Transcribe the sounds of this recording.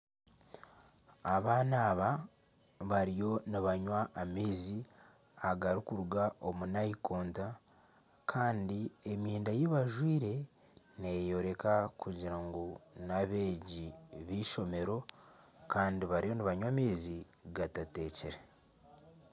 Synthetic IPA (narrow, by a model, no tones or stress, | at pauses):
aβaːnaːβa | βaɾijo̞niβaɲwaːmiːzi | aɡaɾikuɾuɡaʔo̞munaikoːnta | kʰaːndiemjiːndajeβaʒwiːɾe̞ | nejo̞ɾe̞kakuɟiɾaŋɡonaβe̞ːɟiβiːʃo̞me̞ɾo̞ | kaːndiβaɾijo̞niβaɲwamiːzi | ɡatate̞ːceɾe